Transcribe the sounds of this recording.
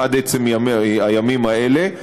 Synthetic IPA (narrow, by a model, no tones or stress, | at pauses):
ad̪et͡semamajamimaele